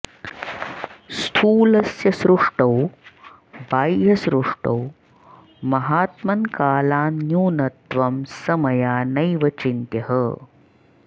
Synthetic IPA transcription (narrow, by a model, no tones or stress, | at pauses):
st̪ʰuːlɐsjɐsɾuʂʈɐw | baːjjɐsɾuʂʈɐw | mɐɦaːt̪mɐnkaːlaːnːjuːnɐt̪ʋɐmsɐmɐjaːnɐjʋɐt͡ʃint̪jɐɦə